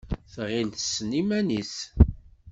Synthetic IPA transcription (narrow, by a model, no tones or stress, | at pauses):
θʁilθəsːnimæniθ